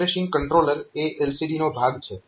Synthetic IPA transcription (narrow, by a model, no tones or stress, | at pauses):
ɾeʃɪ̃ŋɡkəɳʈɾoləɾeʔelsiɖinobʱaɡt͡ʃʰe